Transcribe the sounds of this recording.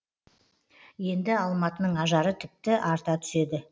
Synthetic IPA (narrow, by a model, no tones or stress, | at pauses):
je̞nd̪ɪɑlˠmɑt̪ənəɴɑʒɑɾət̪ʰɪp̚t̪ɪʔɑɾt̪ɑt̪ʰʏ̥se̞d̪ɪ